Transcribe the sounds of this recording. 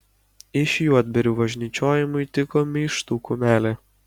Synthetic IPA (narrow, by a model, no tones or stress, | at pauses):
ɪʃjuɔd̪ʲbʲɛɾʲuːbɐʒʲnʲiːt͡ʃʲoːjɪmʊit̪ʲɪkoːmʲiʃt̪uːkʊmʲæːlʲɛ